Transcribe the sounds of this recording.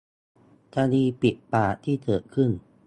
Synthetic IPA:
kʰaː˧diː˧pi˨˩t̚paː˨˩t̪ʰiː˥˩t̪ʰɤː˨˩kʰɯ˥˩n

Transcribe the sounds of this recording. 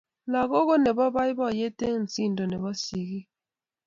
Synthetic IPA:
la˨ɣo˦ɣo˦nɛ˨bɔ˦ba˦i˦bɔ˦˨je˦te˦n̩˨t͡si˦n˨do˨nɛ˨βɔ˦si˨ɣi˦

